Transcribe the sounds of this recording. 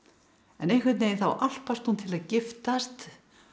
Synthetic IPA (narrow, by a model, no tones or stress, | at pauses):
ɛ̰nejŋkʰvɪɾt̪nejθa̰wʔal̥past̪unt̪ʰɪlaðcɪft̪ast̪